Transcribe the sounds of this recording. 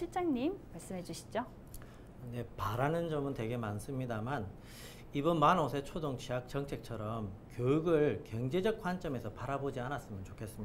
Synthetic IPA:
iɭt͡ɕ͈aŋɲimːaɭs͈ɯmɦe̞d͡ʑuɕʰi̥d͡ʑo | ne̞paɾanɯnd͡ʑʌmɯntwe̞ɡe̞mans͈ɯmɲidaman | ibʌnmanosʰet͡ɕʰodoŋt͡ɕʰiak̚t͡ɕʌŋt͡ɕʰe̞k̚t͡ɕʰʌɾʌmkjojuɡɯɭkjʌŋd͡ʑe̞d͡ʑʌk̚k͈want͡ɕ͈ʌme̞sʰʌpaɾabod͡ʑianas͈ɯmjʌnt͡ɕokʰe̞s͈ɯmia

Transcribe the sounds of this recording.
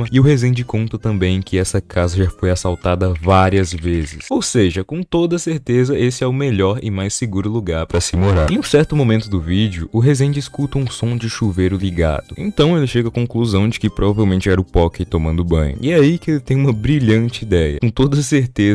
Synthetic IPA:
mɐɪʊɦezẽj̃d͡ʒɪkõnt̪ɐt̪ɐ̃mbẽj̃ẽkɪɛsɐkʰazɐʒafojasawt̪ad̪ɐvaɾiɐzvezɪsowseʒɐkõt̪od̪ɐseɾt̪ezɐʔesɪɛʊmeʎɔɾɪmajseɡuɾʊluɡaɾpɾɐsɪmoɾaɾ̃j̃ũsɛɾt̪ʊmõmẽnt̪ʊd̪ʊvid͡ʒiʊʊɦezẽj̃d͡ʒɪskut̪ɐũsõd͡ʒɪʃuvejɾʊliɡa̰d̪ʊḛ̃nt̪ɐ̃w̃elɪʃeɡɐakõkluzɐ̃w̃d͡ʒɪkɪpɾovavewmẽnt͡ʃɪɛɾɐʊpɔkɪt̪ːomɐ̃nd̪ʊbɐ̰̃ɲʊ̰ɪɛaikɪelɪt̪ẽj̃ũmɐbɾiʎɐ̃nt͡ʃɪid̪ɛjɐ̰kõt̪od̪ɐseɾt̪ez

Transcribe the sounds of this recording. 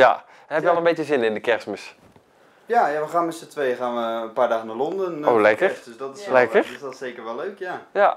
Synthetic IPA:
ja̰ | nhɛpjjəɔlənbejtjəzɪnɪndəkɛrsməs | jajaʋəχaːnmɛtsətʋejχaːnʋəənpaːɹdaːɣənalɔndənowlɛkədøsdɔtɪslɛkərsseːkəɹʋɛlːøɥkjaja

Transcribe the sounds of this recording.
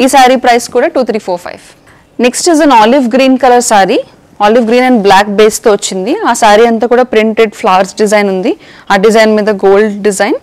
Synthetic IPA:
iːsaːɾipɾɐjskuːɽaːʈuːt̪ʰɾiːpʰoːɾpʰɐ̰jʋ | ne̞ksʈizɐnaːliʋɡɾiːnkɐlɐɾsaːɾi | aːliʋɡɾiːnɐɳɖblaːkbeːst̪oːʋɐt͡ʃːind̪iaːsaːɾiɐnt̪aːkuːɽaːpɾiɳʈeɖpʰlaːʋɐɾsɖizɐjnund̪i | aːɖizɐjnmiːd̪ɐɡoːlɖɖizɐjn

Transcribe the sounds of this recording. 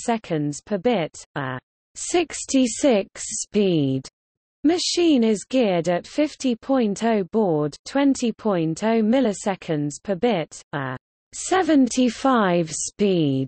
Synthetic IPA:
sɛkʰə̃ndz̥pʰəbɪtə | sɪkstʰisɪkspiːd̥ | məʃĩːnɪzɡɪədətfɪftipʰɔ̃ɪ̃ntʰəʊbɔːdtʰw̥ɛ̃ntʰipʰɔ̃ɪ̃ntʰəʊmɪləsɛkʰə̃ndz̥pʰəbɪtə | sɛvə̃ntʰifaɪv̥spiːd̥

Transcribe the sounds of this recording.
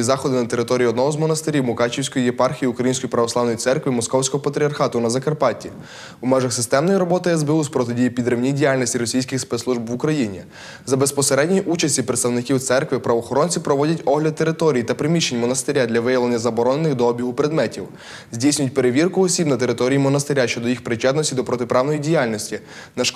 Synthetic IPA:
izɑxɔd̪ɪnɐt̪e̞ɾɪt̪ɔɾʲiiɔd̪nɔɦɔzmɔnɐst̪ɪɾʲiwmʊkɑt͡ʃʲiwsʲkɔjijepɑrxʲijiukɾɐjinsʲkɔjipɾɐʋɔslˠɑʋnɔjit̪sɛrkʋimɔskɔwsʲkɔɦɔpɐt̪ɾʲiɐrxɑt̪ʊnɐzɐkɐrpɑtʲi | umɛʒɐxsɪst̪ɛmnɔjɾɔbɔt̪ɪɛzbɛuspɾɔt̪ɪdʲijipʲid̪ɾewnʲidʲijalʲnʲisʲtʲiɾɔsʲijsʲkɪxspɛt̪sˠuʒbʋʊkɾɐjinʲḭ | zɐbespɔseɾɛdʲnʲiʔut͡ʃɐsʲtʲipɾet̪st̪ɐwnɪkʲiwt̪sɛrkʋɪpɾɐʋɔxɔɾɔnʲt͡sʲipɾɔʋɔdʲɐtʲɔɦlʲɐt̪̚t̪ːeɾɪt̪ɔɾʲijit̪ɐpɾɪmʲiʃenʲmɔnɐst̪ɪɾʲad̪lʲɐʋɪjɐʋlenʲːɐzɐbɔɾɔnenɪxd̪ɔɔbʲiɦʊpɾed̪mɛtʲiw | zʲdʲijsʲnʲʊjʊt̚ʲpe̞ɾeʋʲirkʊɔsʲibnɐt̪e̞ɾɪt̪ɔɾʲijimɔnɐst̪ɪɾʲaʃt͡ʃɔd̪ɔjixpɾɪt͡ʃɛd̪nɔsʲtʲid̪ɔpɾɔt̪ɪpɾɑwnɔjidʲijalʲnɔsʲtʲi | nɐʃ

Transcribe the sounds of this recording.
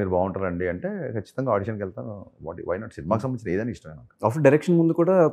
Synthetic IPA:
miːɾubʱaːwɳʈɐlɐɳɖiɐɳʈeːkʰɐt͡ʃːi̥t̪ɐŋɡaːɖiʃɐnkɛlt̪aːnuʋa̰ːʈiʋɐjnaːʈsinimaːkisɐmɐit͡ʃiɐeːd̪ɐjnaːiʂʈɐmeːnaku̥aːfɖɐɾekʂɐnmund̪ukuːɽaː

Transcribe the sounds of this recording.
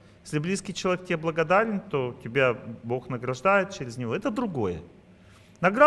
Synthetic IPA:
jesʲlʲɪblʲiskʲɪjt͡ɕɪlˠɐek̚tʲɪbʲeblˠəɡɐd̪aɾʲɪnt̪o̞tʲɪbʲabo̞xnəɡɾɐʐd̪ajɪt̪̚t͡ɕɪɾʲɪzʲnʲɪvo̞ɛt̪əd̪ɾʊɡo̞jə̰ | nɐɡɾa

